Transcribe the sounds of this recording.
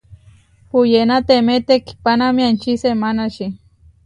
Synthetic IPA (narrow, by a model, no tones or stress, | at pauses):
pujenat̪emet̪eki̥panamiant͡ʃisemanaʃi